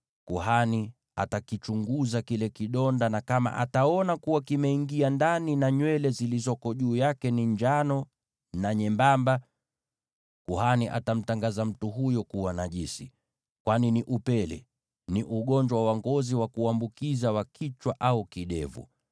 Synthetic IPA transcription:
kuɦani | a̰takit͡ʃuŋɡuzakilɛkiɗɔndanakama̰ʔa̰taɔnakuwakimɛiŋɡiandaninaɲwɛlɛzilizɔkɔʄuːjakɛniɲd͡ʒanɔ | naɲɛmbamba | kuhaniʔa̰tam̩taŋɡazam̩tuɦujɔkuwanaʄisi | kwaniniʔupɛlɛ̰ | niʔuɠɔɲd͡ʒwawwaŋɡɔziwakuambukizawakʰit͡ʃwaʔaukiɗɛ̰vṵ

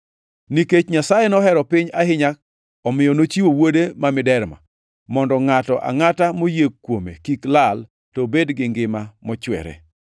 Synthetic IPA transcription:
niket͡ʃɲasajenɔɦɛɾɔpɪɲahɪɲak̚ | ɔmɪjɔnot͡ʃiwowodemamɪdɛɾma̰ | mɔndɔŋatɔʔa̰ŋatamojekːwomḛkiklal | tɔbedɡɪŋɡɪmamɔt͡ʃwɛ̰ɾɛ̰

